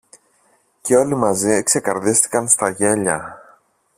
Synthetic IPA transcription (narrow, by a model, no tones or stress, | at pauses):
ce̞o̞limɐziekse̞kɐɾðist̪i̥kɐnst̪ɐʝe̞ʎɐ